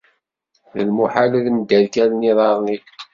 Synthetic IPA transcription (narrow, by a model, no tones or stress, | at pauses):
ðə̰lmuħaləðnd̪æðkælniðˤɑɾˤni